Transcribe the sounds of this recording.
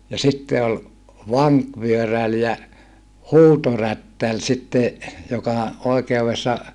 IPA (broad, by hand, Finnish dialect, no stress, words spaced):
jɑ sitːe ol ʋɑŋkʋyøræl jɑ huːtorætːæl sitːe jokɑ oikeuʋesːɑ